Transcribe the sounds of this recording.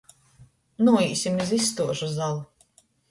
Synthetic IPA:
nuɔiːsʲimizisːt̪uɔʒuzalˠu

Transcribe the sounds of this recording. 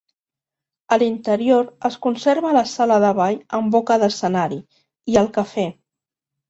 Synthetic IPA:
əlint̪əɾioɾəskunseɾβələsaləðəβaʎəmbokəðəsənaɾi | iəlˠkəfɛ

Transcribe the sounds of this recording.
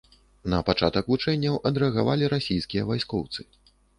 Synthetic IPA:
nɐpat͡ʂat̪ɐkvut͡ʂɛnʲːɐwʔɐd̪ɾɛɐɣavalʲiɾasʲijskʲijɐvajskɔwt̪sɨ

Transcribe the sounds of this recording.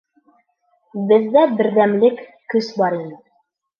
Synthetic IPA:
bɘ̆ðːæbɘ̆ɾðæmlɘkː | ɵsbɑɾinɘ

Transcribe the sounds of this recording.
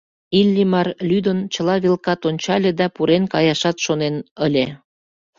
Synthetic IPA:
ilʲːimɑrlyd̪ənt͡ɕəlɑβelkɑt̪onʲt͡ɕɑlʲed̪ɑpuɾenkɑjɑʃɑt̪ʃonenəlʲe

